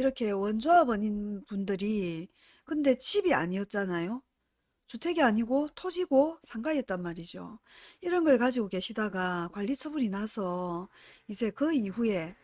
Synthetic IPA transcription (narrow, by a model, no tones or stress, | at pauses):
iɾʌkʰe̞wʌnd͡ʑoabʌninpundɯɾi | kɯnde̞t͡ɕibia̰ɲiʌt̚t͡ɕ͈anajo | t͡ɕutʰe̞ɡeaɲiɡotʰod͡ʑiɡosʰaŋɡaiet̚t͈anmaɾid͡ʑo̰iɾʌnɡʌɭkad͡ʑiɡoke̞ɕʰidaɡakwaʎːit͡ɕʰʌbuninasʰʌ | id͡ʑe̞kɯiɸue̞